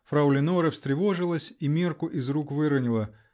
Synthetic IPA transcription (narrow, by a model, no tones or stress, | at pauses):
fɾɐwlʲɪnoɾəfsʲt̪ɾʲɪvoʐɨlˠəsʲimʲerkʊʔizrukvɨɾənʲɪlˠə